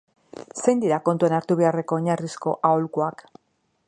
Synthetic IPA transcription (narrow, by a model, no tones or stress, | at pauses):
se̞jnd̪iɾako̞nt̪uenaɾt̪uβe̞are̞ko̞ːɲarisko̞ʔaolkuak